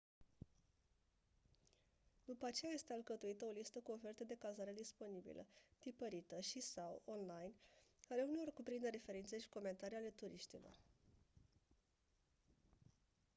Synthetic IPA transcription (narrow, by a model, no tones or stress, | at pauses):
d̪̥upəat͡ʃe̞jaje̞st̪ealkət̪uit̪əo̞list̪əkuo̞fe̞rt̪ed̪e̞kalzaɾe̞d̪ispo̞nibḭlʔə̰t̪ipəɾit̪əʃisawo̞nlajnale̞unelorkupɾind̪e̞ɾe̞fe̞ɾintse̞ʃi̥ko̞me̞nt̪aɾiale̞t̪uɾiʃt̪ilo̞̰r